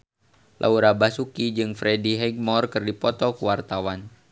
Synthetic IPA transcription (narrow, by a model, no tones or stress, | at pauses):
lʔa̰uɾabasukid͡ʒɨŋfɾɛdiɦɛɡ̚mɔrkɨrdipɔt̪ɔkuwart̪awan